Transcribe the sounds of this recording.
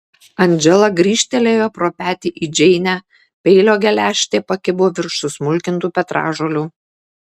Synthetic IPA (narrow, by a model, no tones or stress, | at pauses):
ɐnʲˑd͡ʒʲɛlˠɐɡɾʲiːʃʲt̪ʲɛlʲeːjoːpɾoːpʲæːt̪ʲiːʔiːd͡ʒʲɛɪnʲæː | pʲɛɪlʲoːɡʲɛlʲæːʃʲt̪ʲeːpɐkʲɪbʊoːʋʲɪɾʃsʊsmʊlʲkʲɪnt̪uːpʲɛt̪ɾɑ̰ːʒoːlʲuː